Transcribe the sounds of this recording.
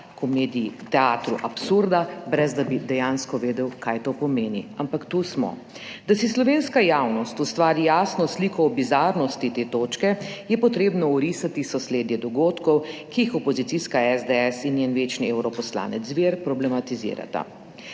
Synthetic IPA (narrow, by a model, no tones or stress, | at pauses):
kumeːd̪ijit̪ɛaːt̪ɾuʔapsuɾd̪abɾɛzd̪abid̪ɛjanskɔʋeːd̪ɛwkajt̪opɔmeːniampakt̪usmɔ̰ | d̪asislɔʋeːnskajaːwnɔst̪ust̪ʋaːɾijaːsnɔsliːkʰɔːbizaɾnɔst̪it̪eːt̪oːt͡ʃkɛjɛpɔt̪ɾeːbnɔuɾisat̪isɔsleːd̪jɛd̪ɔɡoːt̪kɔwkijixɔpɔzit̪iskaɛzd̪eɛsinjenʋeːt͡ʃnieːwɾɔpɔsla̰ːnɛt̪zzʋeːɾpɾɔblɛmat̪izḭːɾa̰t̪a̰